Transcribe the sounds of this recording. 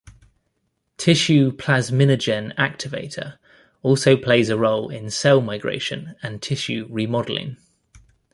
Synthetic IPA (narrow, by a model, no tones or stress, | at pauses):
tʰɪʃʉpʰl̥azmɪnəd͡ʒə̃nak̚tʰɪvḛɪtʰə̰ | ɔˑlˠsəʊpʰl̥eɪzəɹəʊlɪ̰̃nsɛɪlˠmaɪɡɹḛɪʃə̃nə̃ntʰɪʃʉɹimɒdəlɪ̰̃ŋ